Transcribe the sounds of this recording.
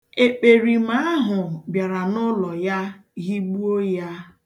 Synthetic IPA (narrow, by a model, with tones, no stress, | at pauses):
e˨k͡pe˨ɾi˨ma˦a˦ɦʊ˨bja˨ɾa˨nʊ˦lɔ˨ja˦ɣi˦ɡ͡bu˦o˦ja˦